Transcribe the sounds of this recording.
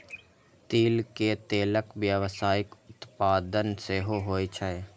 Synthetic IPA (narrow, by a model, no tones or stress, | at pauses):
t̪iːlket̪eːləkʋjəʋsaːɪkʊt̪paːd̪ənseːɦoɦoːit͡ʃʰəe